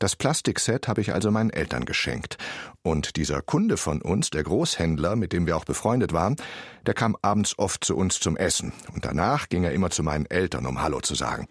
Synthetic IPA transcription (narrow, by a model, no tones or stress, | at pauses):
d̥aspl̥astɪksɛthaːbəɪçʔa̰lzomaɪnənʔɛltɐ̰nɡəʃɛ̰ŋktʔʊntd̥iːzɐkʰʊndəfɔnʔʊ̰nsd̥eːɐɡʁoːshɛndlɐmɪt̚d̥eːmviːɐaʊb̥əfʁ̥ɔʏndətv̥aːʁənd̥eːɐkʰaːmʔaːbm̩t͡ssʔɔft̚t͡suʔʊnst͡sʊmʔɛsn̩ʊntd̥a̰naːχɡ̥ɪŋeːɐʔɪmɐt͡sumaɪnənʔɛltɐ̰nʊ̰mhalo̰t͡suza̰ːɡŋ̩